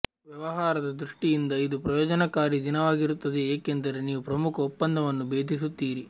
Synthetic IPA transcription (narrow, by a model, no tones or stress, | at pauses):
ʋjɛʋɐɦaːɾɐd̪ɐd̪ɾuʂʈijind̪ɐid̪upɾɐjɔːd͡ʒɐnɐkaːɾid̪inɐʋaːɡiɾut̪ːɐd̪eeːkent̪ɐɾeniːʋupɾɐmukʰɐɔpːɐnd̪ɐʋɐnːubeːd̪ʱisut̪ːiːɾi